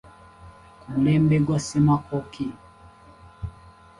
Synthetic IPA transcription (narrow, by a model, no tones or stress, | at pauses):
kulɛmbɛɡwasimakɔki